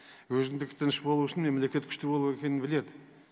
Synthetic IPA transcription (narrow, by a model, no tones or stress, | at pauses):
wɵzɪnd̪ɪkʲt̪ɪnɪʃbolˠuʊʃɪnme̞mle̞kʲe̞t̪kʲʰʏ̥ʃt̪ɪbo̞lˠuwe̞kʲe̞nɪnbɪle̞d̪ɪ